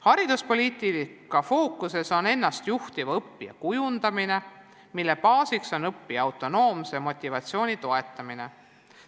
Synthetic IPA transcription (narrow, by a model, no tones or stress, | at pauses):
hɑɾid̪̥uspo̞liːt̪ˑikɑfo̞ːkˑːuse̞so̞ne̞nːɑst̪juht̪ivɤpːijɑ̰kujund̪̥ɑmine̞ | milːe̞pɑːsikso̞nɤpːiɑwt̪ˑo̞no̞ːmsemo̞t̪ʲːˑivɑt̪sio̞ːnʲit̪o̞e̞t̪ˑːɑmine̞